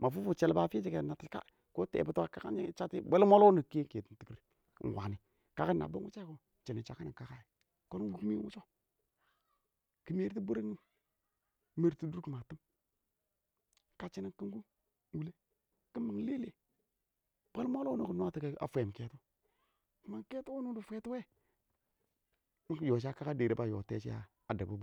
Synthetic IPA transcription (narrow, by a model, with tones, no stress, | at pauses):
ma˨fu˦fu˨t͡ʃe˨lbaː˨fi˦d͡ʒi˨ke˨na˨ti˨˦a̰˦ | ko˦tḛ˨bə˦twa˦ka˦ka̰˦n˦t͡ʃa˦ti˦be˦lmo˦lo˦nu˨ke˦ke˨ti˨n˦ti˨ki˦ɾ̰ | wa̰˨ni˨ | ka˦ka˦nːa̰˨bə˦wu˦t͡ʃa˦ko˦ | t͡ʃi˨nə˨t͡ʃa˨ka˦ni˨ka˨ka˦ji˨ | ko˦n˦ɡu˦kmi˦wṵ˦t͡ʃo˦ | ki˦me˦ɾti˦bu˦ɾa˦ŋi˦m | me˨ɾtu˦du˦ɾki˨ma˨ti˦m | ka˨t͡ʃi˦ni˨ki˦ŋɡu˦ | wu˨le˦ | ki˦mːa˨ŋ˦le˦le˨ | b̥a˦lmo˦lo˦nu˦ku˨n˦a˦ti˦ka˨˦a̰˨fe˨ke˨tu˦ | kma˨ŋke˦tu˦u˦nu˦du˨fe˦tu˦we˦ | kjo˨t͡ʃ̬a˦ka˦ka˦de˨ɾe˨ba˦jo̰˨tḛ˦t͡ʃi˦a̰˦ | a˨da˨ba˦bu˦